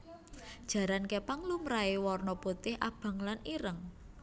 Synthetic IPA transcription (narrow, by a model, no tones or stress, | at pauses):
d̥ʒ̥ä̤ɾankepaŋlumɾaewɔrnɔput̪ɪhʔab̥a̤ŋlaniɾəŋ